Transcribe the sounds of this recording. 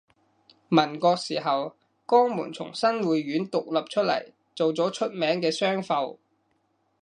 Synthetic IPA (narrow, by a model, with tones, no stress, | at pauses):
mɐ˨˩nkɔː˧k̚siː˨˩ɦɐ˨w | kɔː˥ŋmṵː˨˩nt͡sʰʊ̰˨˩ŋsɐ˥nwuː˨jɥyː˨˥nt̪ʊ˨k̚lɐ˨p̚t͡ʃʰɵ˥t̚lɐ̰˨˩j | t͡so˨wt͡sɔː˨˥t͡ʃʰɵ˥t̚mɛː˨˥ŋkɛː˧sœː˥ŋfɐ˧w